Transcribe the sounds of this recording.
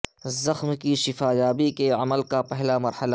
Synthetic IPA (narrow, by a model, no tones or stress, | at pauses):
zɐxmkiʃɪfaːjaːbikeɐməlkapɛɦlamɐɾhəla